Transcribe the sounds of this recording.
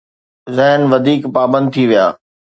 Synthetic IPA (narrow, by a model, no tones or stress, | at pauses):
zɛɦnʋɐd̪ʱiːkpaːbə̃nd̪̚t̪ʰiʋija̰ː